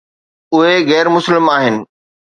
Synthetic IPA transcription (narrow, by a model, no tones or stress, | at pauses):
ʊɦeɣɛːɾmʊslɪmaːɦɪnɪ̆